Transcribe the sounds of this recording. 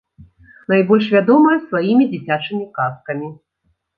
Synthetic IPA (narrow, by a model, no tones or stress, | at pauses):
najbɔlʲʂvʲad̪ɔmɐjɐsvajimʲid͡zʲit͡sʲat͡ʂɨmʲikaskɐmʲi